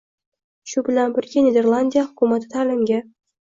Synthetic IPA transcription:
ɕubɪlanbɪrɡʲenʲed̪ʲerlˠanʲdʲijaχʊkʲumat̪ːɪt̪ʰalɘ̆mɡʲe

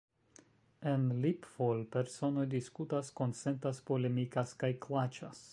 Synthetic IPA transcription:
e̞nlipfolpe̞ɾso̞no̞jdiskutasko̞nt͡se̞ntaspo̞le̞mikaskajklat͡ʃas

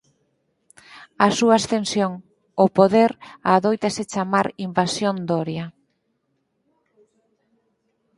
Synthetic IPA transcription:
asuaast̪ensjoŋ | opoðeɾaːðojt̪aset͡ʃamaɾimbasjond̪oɾjɐ

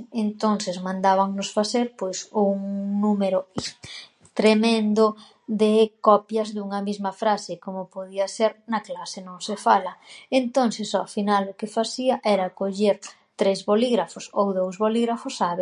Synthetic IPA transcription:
ent̪onθɪzmãnd̪aβaŋnʊsfaθeɾpojsuŋnumeɾʊ | t̪ɾemẽnd̪ʊ | d̪ekɔpjɐzðuŋɐmizmɐfɾasɪkomʊpoðiɐseɾnɐklasenõŋsefalɐent̪onθɪsofinalʊkefaθiɐʔɛɾakoʎeɾ | t̪ɾezβoliɣɾafʊsowðowzβoliɣɾafʊsaβe

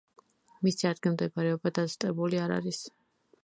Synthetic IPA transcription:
misiad̪ɡilˠmd̪ɛbaɾɛɔbad̪at̪t̪ʼqʼɛbuliaɾa̰ɾis

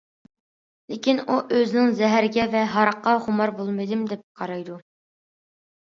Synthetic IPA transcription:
lɪkʲinuʔøzɪnɪŋzɛɦæɾɡʲɛvɛɦɑɾɑqːɑʁʊmɑɾbolˠmɨjd̪ɪmd̪ɛp̚qʰɑɾɑjd̪u

